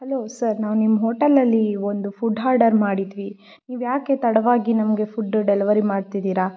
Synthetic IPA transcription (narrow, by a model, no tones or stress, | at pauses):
hɐloːsɐɾnaːʋnimːɐɦoːʈɐlːɐlːiond̪upʰuɖɦaːɾɖɐɾmaːɽid̪ʋi | niːʋjaːke̞t̪ɐɽɐʋaːɡinɐmɡe̞pʰuɖːɖɛlɐʋɐɾimaːɖt̪id̪iːɾaː